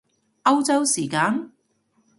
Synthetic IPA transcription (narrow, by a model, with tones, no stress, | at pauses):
ɐ˥wt͡sɐ˥wsiː˨˩kaː˨˧˥n